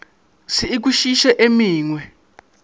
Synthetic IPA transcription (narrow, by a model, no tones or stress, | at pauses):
siːk̬uʃiʃɛʔemiːŋwɛ